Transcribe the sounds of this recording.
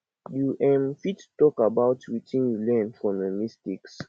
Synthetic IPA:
juʔɛ̃mfittɔkabaʊtwitʰĩnjulɛ̃nfɹɔ̃məmistiks

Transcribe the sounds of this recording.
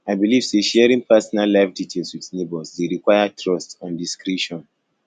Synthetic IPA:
aɪbiliv̥seʃɛɹĩŋpʰɛsɔnalːaɪfditʰelˠswiðnebɔlsdeɹikwaɪjatʰɹɔstɔ̃ndiskɹɛʃɔ̃n

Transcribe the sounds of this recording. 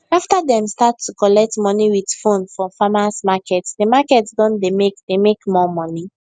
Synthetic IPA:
aftadɛ̃mstatːukɔlɛk̚tmɔniwið̥fõnfɹɔ̃famãsmakɛtsdemakɛtsdɔ̃ndemekdemekmɔmɔni

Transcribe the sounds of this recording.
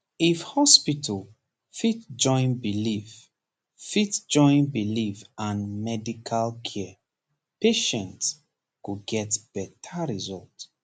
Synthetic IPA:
ifhɔspitʰəl | fitd͡ʒɔ̃ɪ̃nbilif | fitd͡ʒɔ̃ɪ̃nbilifãnmɛdikʰalkʰɛ | peʃɛ̃nts | kuɡɛtb̥ɛtʰaɹizɔlt

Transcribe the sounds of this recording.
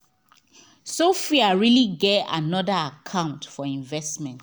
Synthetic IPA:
sofiaɹiliɡɛa̰nɔdəakʰãʊ̃ntfɔĩɱvɛsmɛ̃nt

